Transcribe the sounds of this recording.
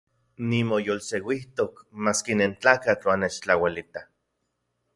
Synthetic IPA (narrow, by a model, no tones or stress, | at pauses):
nimojolsewiht̪okmaskinent͡ɬaːkat͡ɬwanet͡ʃt͡ɬawalit̪a